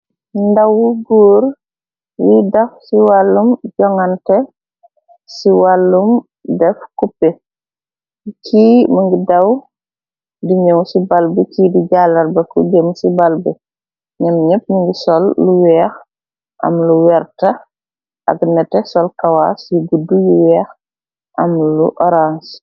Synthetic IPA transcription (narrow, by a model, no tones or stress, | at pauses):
ndɐwuɡuːɾ | widɐfsiwalːumɟɔŋɐntɛ | siwalːum | dɛfkupːɛ | kʰiːməŋɡidɐw | diɲowsibalbəcidiɟaːlɐrbɐkuɟəmsibalbə | ɲɐmɲəp̚nuŋɡisɔlːuwɛːx | ʔɐ̰mluwɛɾtɐ | ʔɐ̰ɡnɛtɛsɔlkɐwasiɡudujuwɛːx | ʔɐmluʔɔɾans